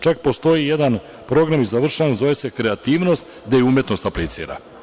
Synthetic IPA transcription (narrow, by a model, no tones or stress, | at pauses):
t͡ʃak̚po̞st̪o̞jijed̪an | pɾo̞ɡɾamizaʋr̩ʃanzo̞ese̞kɾe̞at̪iːʋno̞st̪ | d̪ejeumje̞t̪no̞st̪aplit̪sḭːɾa̰